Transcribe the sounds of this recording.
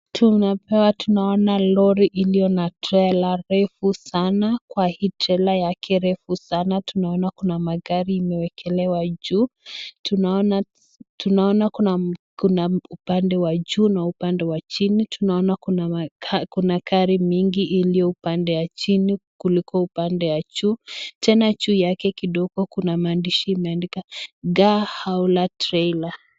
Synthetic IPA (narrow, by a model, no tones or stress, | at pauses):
tʰunapɛwatunaɔnalɔɾiʔilijɔnatʰɛlaɾɛfusanakwahiːtʰɛlajakʰɛɾɛfusanatunaɔnakunamaɡaɾiːmɛwɛkʰɛlɛwad͡ʒuːtunaɔna | tunaɔnakunakunaupandɛwad͡ʒuːnaupandɛwat͡ʃinitʰunaɔnakunkunakʰaɾimiŋɡiʔilijɔupandɛwat͡ʃinikulikɔupandɛwat͡ʃuːtʰɛnat͡ʃuːjakɛkiɗɔɡɔkunamaːndiʃiimɛandikaɡahaulatɾɛla